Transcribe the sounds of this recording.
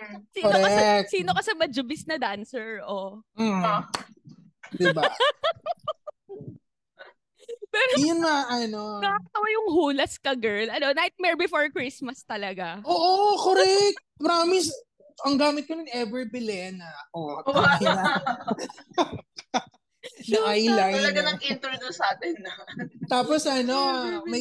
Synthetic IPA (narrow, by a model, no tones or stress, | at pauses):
siːkoɾɐɛk̚siːnokɐsɛmɐd͡ʒʊbɪsnɐd̪ansɛɹʔo | d̪ɪba | pɛɾojʊnmaʔɐnomɐaːkɐt̪ɐwajʊŋhuːlɐskɐɡɛɹlʔɐnonahɪt̪̚mɛɹbɪfoɹkɹismɐst̪ɐlɐɡaʔoːʔokoɾɛk̚t̪̚pɐɾaːmɪs | ɐŋɡaːmɪt̪̚kɐnɪnʔɛvɛɹbɪlɛnɐʔoɐkanɐ | nɐʔajlajɐnɐɪnt̪oɹd̪onsɐaːt̪ɛnːɐt̪aːposʔɐno̞mɐ